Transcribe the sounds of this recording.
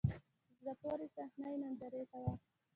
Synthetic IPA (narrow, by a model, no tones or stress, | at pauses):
zɾapoɾisahnajnand̪aɾet̪awa